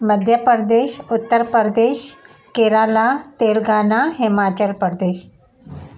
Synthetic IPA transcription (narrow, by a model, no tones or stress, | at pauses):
məd̪ʱjəpəɾd̪eːʃʊt̪ːəɾpəɾd̪eːʃ | keːɾaːlaːt̪eːlɡaːnaɦɪmaːt͡ɕəlpəɾd̪eːʃ